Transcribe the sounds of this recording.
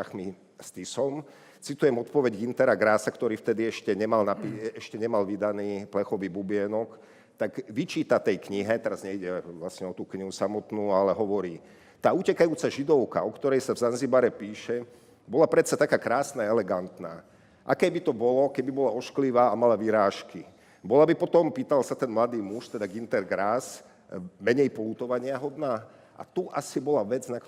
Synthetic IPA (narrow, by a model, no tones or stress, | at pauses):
xmi | st̪isɔm | t͡sit̪ujɛmɔt̪̚pɔʋɛɟɡint̪ɛɾaɡɾaːsakt̪ɔɾiːft̪ɛd̪iɛʃcɛɲɛmalnapiɛʃcɛɲɛmalʋid̪aniːplɛxɔʋiːbubɪɛnɔk | t̪aɡʋit͡ʃiːt̪at̪ɛjkɲiɦɛt̪ɛɾazɲɛiɟɛʋlasɲɛɔt̪uːkɲiɦusamɔt̪nuːalɛɦɔʋɔɾiː | t̪aːucɛkajuːt͡saʒid̪ɔʊka̰ɔkt̪ɔɾɛjsavzanzibaɾɛpiːʃɛ | bɔlapɾɛt͡sat̪akaːkɾaːsnaɛlɛɡant̪na̰ː | ʔa̰kɛːbit̪ɔbɔlɔkɛbibɔlaɔʃkliʋaːamalaʋiɾaːʃki | bɔlabipɔt̪ɔmpiːt̪alsat̪ɛnmlad̪iːmuʃt̪ɛd̪aɡint̪ɛɾɡɾaːs | mɛɲɛjpɔluːt̪ɔʋaɲɪaɦɔd̪naː | ʔa̰t̪uʔasibɔlaʋɛd͡znak